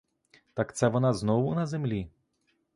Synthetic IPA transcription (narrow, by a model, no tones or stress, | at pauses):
t̪akt̪sɛʋɔnaznɔʋunɐzemlʲi